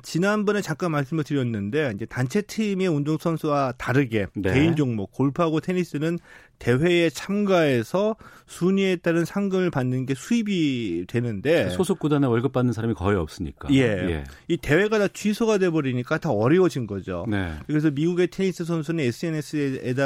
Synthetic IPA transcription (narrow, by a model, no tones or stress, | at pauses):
t͡ɕinanbʌne̞t͡ɕak͈anmaɭs͈ɯmɯɭtɯɾjʌnːɯnde̞ind͡ʑe̞tant͡ɕʰe̞tʰimeundoŋsʰʌnsʰuwataɾɯɡe̞nkeind͡ʑoŋmokoɭpʰuaɡotʰe̞ɲis͈ɯnɯn | te̞we̞et͡ɕʰamɡaesʰʌ | sʰuɲie̞t͈aɾɯnsʰaŋɡɯmɯɭpanːɯnɡe̞sʰuibidwe̞nɯnde̞ssosʰok͈udaneʌɭɡɯp͈̚anːɯnsʰaɾamikʌiʌp̚s͈ɯɲḭk͈a̰je̞jḛ | ite̞we̞ɡatat͡ɕʰɥisʰoɡadwe̞bʌɾiɲik͈ataʌɾʌwʌd͡ʑinɡʌd͡ʑo̰nekɯɾe̞s̬ʰʌmiɡuɡe̞tʰe̞ɲis͈ɯs̬ʰʌnsʰunɯnes͈ʰɯe̞nes͈ʰɯeda